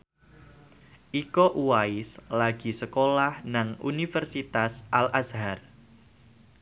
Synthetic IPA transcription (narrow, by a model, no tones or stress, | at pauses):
ʔikɔʔuwaɪslaɡ̥i̤səkolahnaŋṵnifərsit̪asʔalʔasɦar